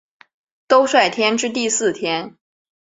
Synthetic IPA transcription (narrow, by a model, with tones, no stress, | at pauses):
t̪o˥ʊʂwa˥˩ɪt̪ʰjɛ˥nʈ͡ʂɻ̩˥t̪̬i˥˧sɹ̩˥˩t̪ʰjɛ˥n